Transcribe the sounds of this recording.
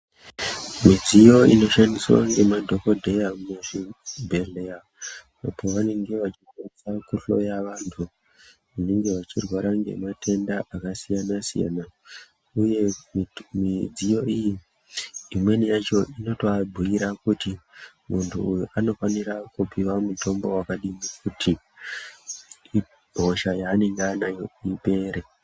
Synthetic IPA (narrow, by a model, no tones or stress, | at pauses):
mid͡zijo̞ino̞ʃandiswa̰ŋɡe̞madʱo̞ko̞dʱe̞jameʐibʱeleja | apo̞ʋane̞ŋɡe̞ʋat͡ʃikwanisakuɬo̞̰jaʋaːntʰu | ʋane̞ŋɡe̞ʋat͡ʃirwaɾaŋɡe̞̰matʰe̞ndaʔakasijanasḭja̰na | uje̞ | mid͡zijo̞iji | imwe̞nijat͡ʃo̞ʔino̞toabʱuiɾakuti | muntʰuːjuʔano̞faniɾakupiwamuto̞mbo̞wakaɗimikutʰi | i | bʱo̞ʃajaːne̞ŋɡeanajoipe̞ːɾe